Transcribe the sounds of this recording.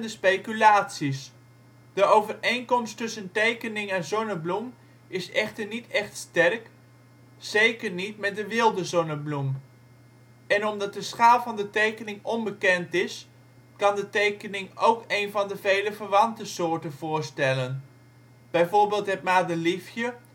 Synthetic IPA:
dəspejkylaːtsis | d̥əowvərejnkɔmstɵsəntejkənɪŋɛnzɔnəblum | ʔɪsɛχtəɹnitɛχtstɛrk | z̥ejkəɹnitmɛt̚dəʋɪlˠdəzɔnəblum | ɛnɔmdɑt̚dəsχaːlˠvɑndətejkənɪŋɔnbəkɛntɪs | kɑndətejkənɪŋowkejnvɑndəvejləvəɹʋɑntəsʊːɹtənv̥ʊːɹstɛlən | b̥ɛjvʊːɹbɪːlˠtɦɛtmaːdəlifjə

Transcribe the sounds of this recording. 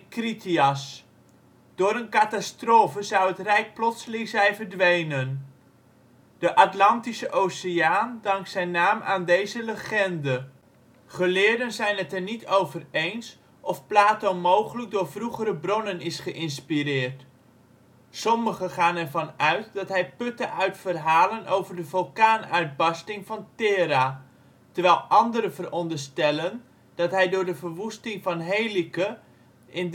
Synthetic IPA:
kritiɑs | d̥ʊːɾənkatastroːfəzɑwətrɛjk̚plɔtsəlɪŋzɛjnvəɹdʋejnən | d̥əʔɑtlɑntisəʔowsɪjaːndɑŋksɛjnaːmʔaːndejzələχɛndə | χəlɪːɹdənzɛjnɦətɛɹnitowvərejns | ʔɔfplaːtomowχələɡ̚dʊːɹvruχəɾəbrɔnənɪsχəʔɪnspiɾɪːrt | sɔməχəχaːnɛɹvɑnœɥt̚dɑtɦɛjpɵtəʔœɥtfərɦaːlənʔo̰wvəɹdəvølˠkaːnœɥd̚bɑstɪŋvɑntɪːɾa | təɹʋɛjlˠʔɑndəɾəvərɔndəɹstɛlən | d̥ɑtɦɛjdʊːɹdəvəɹʋustɪŋvɑnɦejlikə | ʔɪn

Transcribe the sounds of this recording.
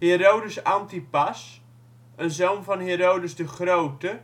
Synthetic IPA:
heːɾowdəsantipas | ənzownfɔnɦeːɾowdəsdəχrowtə

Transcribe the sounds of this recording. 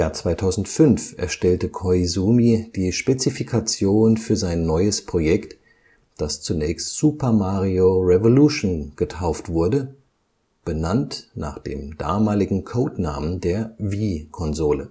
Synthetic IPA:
jaːɐt͡sv̥aɪtʰaʊzn̩tfʏnfʔɛ̰ɐʃtɛltəkʰɔɪzuːmid̥iːʃpet͡sifikʰat͡sjoːnfyːɐzaɪnːɔʏəspʁ̥ojɛkt | d̥ast͡sunɛːçstz̥upɐmaːʁioʁɛvoluʃonɡ̥ətʰaʊftv̥ʊɐdə | b̥ənantna̰ːχd̥ḛːmd̥a̰ːmaːlɪɡŋ̩kʰoʊtna̰ːməndeːɐviːkʰɔnzoːlə

